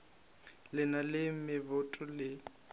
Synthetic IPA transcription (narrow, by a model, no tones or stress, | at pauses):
lɪnalɪm̩mɪbʊtʼʊlɪ